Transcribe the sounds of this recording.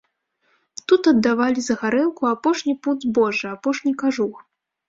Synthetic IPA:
t̪ut̪ɐd̪ːavalʲizɐɣaɾɛlˠkuapɔʂnʲipud̪zbɔʐɨapɔʂnʲikaʐux

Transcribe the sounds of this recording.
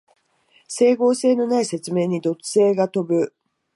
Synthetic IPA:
se̞ːɡo̞ːse̞ːno̞naise̞t͡sɨme̞ːɲ̟id̪o̞t͡sɨ̥se̞ːɡat̪o̞bɯ̟

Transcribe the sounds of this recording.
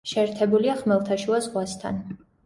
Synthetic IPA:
ʃɛːɾt̪ʰɛbuliaχmɛlˠt̪ʰaʃuazʁwast̪ʰa̰n

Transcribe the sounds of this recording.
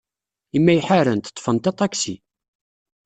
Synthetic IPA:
imːæjħaɾənt̪ə̥t̪ˤːfənt̪ɑt̪ˤːɑksḭ

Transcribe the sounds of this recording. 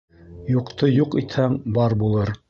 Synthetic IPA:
juqt̪ojuqit̪hæŋbɑɾbulˠɤɾ

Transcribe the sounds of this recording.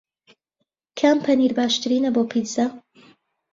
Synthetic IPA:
kʰaːmpʰɐniɾbaːʃt̪ɨɾiːnɐboːpʰiza

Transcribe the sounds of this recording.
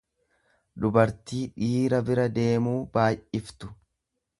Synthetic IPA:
d̪ʊbɐɾt̪iːᶑiːɾɐbɪɾɐd̪e̞ːmuːbaːjɪft̪ʊ̥

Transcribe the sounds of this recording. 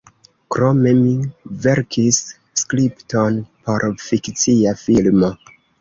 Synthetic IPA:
kɾome̞mive̞ɾkʰis | skɾipto̞npʰo̞ɾfikt͡siafilmo̞

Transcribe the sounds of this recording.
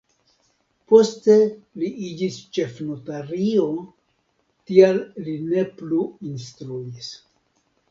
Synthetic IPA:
po̞steliʔid͡ʒist͡ʃe̞fnotaɾio̞ | tialline̞pluinstɾuis

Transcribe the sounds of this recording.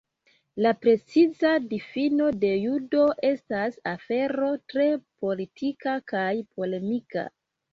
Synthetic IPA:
lapɾe̞t͡sizadifino̞de̞judo̞ʔe̞stasafe̞ɾo̞tɾe̞po̞litʰikakajpo̞le̞mika̰

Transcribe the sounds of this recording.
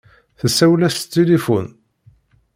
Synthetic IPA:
θæsːæwlæst̪ːelifṵn

